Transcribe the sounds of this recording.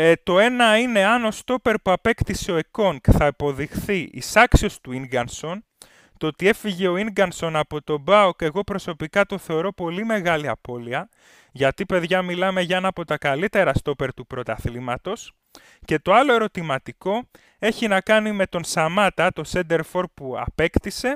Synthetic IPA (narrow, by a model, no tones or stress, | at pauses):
t̪o̞e̞nɐine̞ɐno̞st̪o̞pe̞ɾpuɐpe̞kt̪iseoeko̞ŋkθɐepo̞ðixθiʔḭsɐksio̞st̪uiŋɡɐnso̞n | t̪o̞t̪ie̞fiʝe̞o̞iŋɡɐnso̞nɐpo̞t̪o̞bɐuke̞ɣo̞pɾo̞so̞pikɐt̪o̞θe̞o̞ɾo̞po̞lime̞ɣɐliɐpo̞liɐ | ʝɐt̪ipe̞ðʝɐmilɐme̞ʝɐenɐpo̞t̪ɐkɐlit̪e̞ɾɐst̪o̞pe̞ɾt̪upɾo̞t̪ɐθlimɐt̪o̞s | ce̞t̪o̞ɐlo̞e̞ɾo̞t̪imɐt̪iko̞ | e̞çinɐkɐnime̞t̪o̞nsɐmɐt̪ɐt̪o̞send̪e̞ɾfo̞ɾpuɐ̰pe̞kt̪ise̞